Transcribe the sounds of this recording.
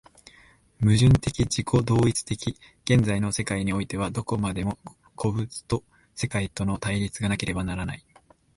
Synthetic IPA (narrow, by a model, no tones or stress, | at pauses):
mɯ̟ʑɨ̃nt̪e̞kʲid͡ʑikʰo̞d̪o̞ːit͡sɨ̥t̪e̞kʲi | ɡ̥ẽ̞nd͡zaino̞se̞kaiɲ̟io̞it̪e̞β̞ad̪o̞ko̞mad̪e̞mo̞ | kʰo̞bɯ̟t͡sɨ̥t̪o̞ | se̞kait̪o̞no̞t̪aiɾʲit͡sɨɡanake̞ɾe̞banaɾanai